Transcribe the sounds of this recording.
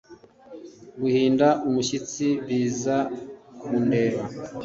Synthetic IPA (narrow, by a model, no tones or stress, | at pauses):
ɡuhiːndaʔumuʃit͡siβiːzakuːndeːɾa